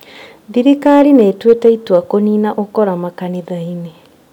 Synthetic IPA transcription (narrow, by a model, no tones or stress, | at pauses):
ðiɾikaɾineːtweteitwakoniːnaʔokɔɾamakaniðaine